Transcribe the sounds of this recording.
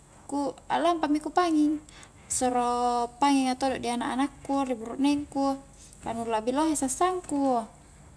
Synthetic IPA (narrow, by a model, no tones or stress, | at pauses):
kua̰lampamikupaŋiŋ | sɔɾopaŋiŋat̪odɔʔdianaʔa̰nakːuribuɾuʔnɛŋku | kanulabiloɦɛsasaŋku